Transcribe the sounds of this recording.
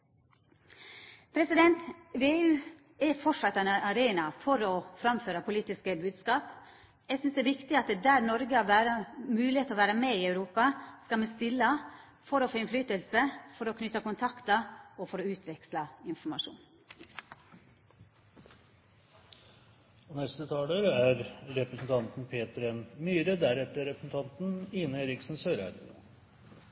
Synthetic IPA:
pʰɾɛsɪd̪ɛnt̪ʋeːʉː | ɛfɔʈʂɑt̪ːæɪnɑɾeːnɑfɔɾɔfɾɑmføːɾəpʰʊliːt̪ɪskəbʉːd̪skɑːp | jæsʏnsd̪ɛːʋɪkt̪ɪɑt̪d̪æːɾnɔɾɡəɑʋæːɾəmʉːlɪheːt̪ɔːʋæːɾəmeiœʉɾuːpɑskɑlmɛst̪ɪlːə | fɔɾɔfoːɪnflyːt̪əlsəfɔɾɔkʰnʏt̪ːɑkʊnt̪ʰɑkt̪ɑɔfɔɾɔʉːt̪ʰʋɛkslɑɪnfɔɾmɑʂṵːn | ɔnɛst̪ət̪ʰɑːləɾæɾɾɛpɾəsn̩t̪ʰɑnt̪n̩pʰeːt̪ɾɛnmyːɾəd̪æɾɛt̪ːəɾɛpɾəsn̩t̪ʰɑnt̪n̩ɪnəɛɾɪksn̩søːɾæ̰d̪ə̰nə

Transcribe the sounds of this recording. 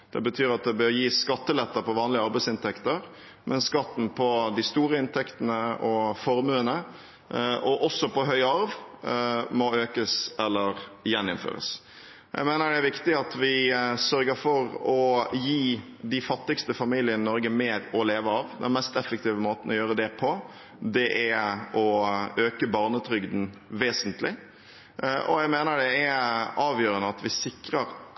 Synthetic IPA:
d̪̥ɛ̰bət̪ʰyːɾɑt̪̚d̪ɛbœɾjiːskɑt̪ːəlɛt̪ːəpɔʋɑːnlɪəɑɾbæɪsɪnt̪ʰɛkt̪əɾ | mʔɛnskɑt̪ːn̩pʰɔd̪ɪst̪uːɾəɪnt̪ʰɛkt̪ənəɔfɔɾmʉːənə | ʔɔʔɔsːɔpɔɦœʏɑɾʋ | mɔøːkəsɛlːəɾjɛnːɪ̰nfø̰ːɾə̰s | jʔæ̰ɪmeːnəɖɛæɾʋɪkt̪ɪɑt̪ʋɪsœɾɡəɾfɔɾɔjiː | d̪ɪfɑt̪ːɪkst̪əfɑmiːlɪənɪnɔɾɡəmeːɾɔleːʋəɑʋd̪ɛ̰nmɛst̪ɛfːək̚t̪iːʋəmoːt̪n̩ɔjøːɾəd̪ɛpʰɔ | d̪ɛʔæɔøːkəbɑːʁnət̪ʰɾʏɡd̪n̩ʋeːsənt̪lɪ | ʔɔ̰jæɪmeːnəɖɛæɑːʋjøːɾənəɑt̪ʋɪsɪkɾəɾ

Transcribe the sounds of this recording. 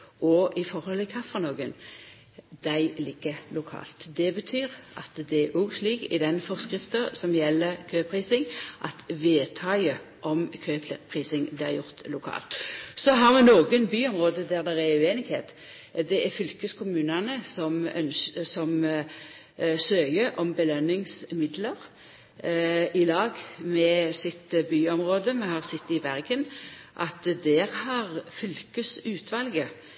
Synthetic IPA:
ɔʔɪfɔʁhɔlɪkʰɑfɑnoːɡən | d̪æɪlɪɡ̥əlʊkʰɑ̰ːlt̪d̪ɛbət̪ʰyːʁʔɑ̰t̪d̪ɛʔuɡsliːkɪ̰d̪ɛnfɔʁskʁɪft̪əsɔmjɛlːəʁkʰøːpʰʁiːsɪŋʔɑt̪ʋeːt̪ʰɑɪə | ʔɔmkʰøːp̪ʰpʰʁiːsɪŋblɪːʁjʊʁt̪lʊkʰɑ̰ːlt̪sɔɦɑʁmɛnoːɡənbyːɔmʁoːd̪əd̪æʁd̪ɛʁæʉeːnɪɡ̥hḛːt̪ | d̪ɛʔæɾfʏlkəskʰʊmʉːnɑnəsɔmœ̰nsɔm | søːjəʔɔmbəlœnːɪŋsmɪd̪ləʁ | ɪlɑːɡmɛsɪt̪byːɔmʁoːd̪əmɛhɑʁsɪt̪ːɪbæʁɡənʔɑt̪d̪ɛʁhɑʁfʏlkəsʉːt̪ʋɑlɡə

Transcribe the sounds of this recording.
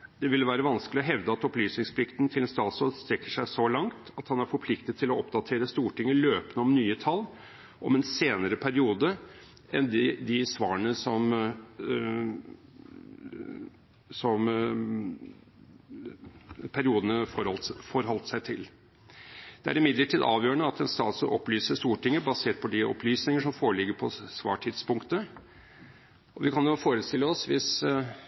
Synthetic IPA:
d̪ɛʋɪlʋæːɾəʋɑnskəlɪɔɦɛʋd̪əɑt̪ɔplyːsnɪŋspʰlɪkt̪nt̪ʰɪlɛnst̪ɑːsɔst̪ɾɛkːəʂæɪsɔlɑŋt̪ɑt̪hɑnæɾfɔɾpʰlɪkt̪ət̪t̪ʰːɪlɔɔpd̪ɑt̪ʰeːɾəst̪uːʈɪŋːəløːpənəɔmnyːət̪ʰɑlː | ʔɔmɛnseːnəɾəpʰæɾɪuːd̪ə | ʔɛnd̪ɪd̪ɪsʋɑːəɳəsɔm | sɔm | pʰæɾɪuːd̪ənəfɔɾɔfɔɾɦɔlt̪əsæɪt̪ʰɪl | d̪̥ɛæ̰ɾɪmɪd̪ləʈʰiːd̪ɑ̰ːʋjøːəɳəɑt̪ɛnst̪ɑ̰ːt̪sɔʔɔplyːsəʂt̪uːʈɪŋːəbɑseːʈ̚pʰɔd̪ɪʔɔ̰pʰlyːsnɪŋəʂɔmfoːɾəɭɪɡːəɾpʰɔsʋɑ̰ːʈʰɪd̪spʊŋkt̪ə | ɔʋɪkʰɑnjʊfoːɾəst̪ɪlːəɔsʋɪs

